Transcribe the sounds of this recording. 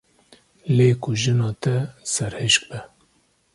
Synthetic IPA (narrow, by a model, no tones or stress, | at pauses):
leːkʊʒɨnɑːt̪ɛsɛɾhɨʃk̚bɛ